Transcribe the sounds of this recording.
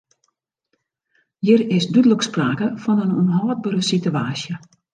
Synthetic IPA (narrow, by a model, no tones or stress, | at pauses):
jirɪsdydələkspraːkəfɔnənunɦɔːd̚bəɾəsityaːsjə